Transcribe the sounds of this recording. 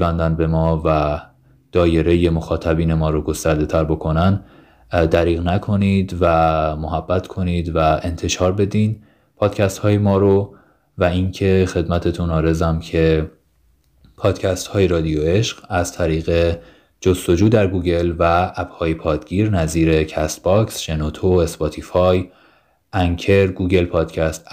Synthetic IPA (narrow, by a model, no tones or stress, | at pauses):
vænd̪ænbe̞mɒːvæ | d̪̥ɒːje̞ɾejemo̞xɒːt̪ʰæbiːne̞mɒːɾoɡo̞st̪æɾd̪e̞t̪ʰæɾbo̞kʰo̞næn | d̪æɾiːɣnækʰo̞nid̪væmoɦæbːæt̪ʰkʰo̞niːd̪væe̞nt̪ʰe̞ʃɒːɾbe̞d̪iːn | pʰɒːd̪̥cʰæst̪hɒːjemɒːɾo | væincʰe̞xe̞d̪mæt̪ʰe̞t̪ʰunɒːɾezæmcʰe̞ | pʰɒːd̪̥cʰæst̪hɒːjeɾɒːd̪ijoe̞ʃɢæzt̪ʰæɾiːɣe̞ | d͡ʒost̪o̞d͡ʒuːd̪æɾɡuːɟe̞lvææbhɒːjepʰɒːd̪ɡiːɾnæziːɾe̞cʰæst̪̚bɒksʒ̥enot̪ʰoesbɒt̪ʰifɒj | ʔæŋcʰe̞ɾɡuːɟe̞lpʰɒːd̪̥cʰæst̪